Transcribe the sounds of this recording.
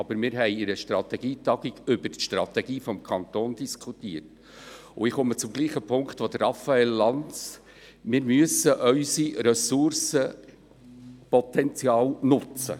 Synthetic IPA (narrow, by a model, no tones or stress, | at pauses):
ɑb̥əɾmɪːɾɦɛɪɪɾəʃtɾɑt̪ɛɡiːt̪ɑɡ̥iɡʏbəɾtʃtɾɑ̰t̪ɛɡ̥iːfɔmkʰɑnt̪oːnd̥iskʰutiərt | ʊɪχɔmət͡sʊmɡ̥liːχəpʰʊŋkt̪ʋod̥̪ərɑfɑɛlːɑnt͡s | mɪɾmyəsəʔœʏsiɾœsʊɾsə | pɔtɛnt͡sjɑːlnʊt͡sə̰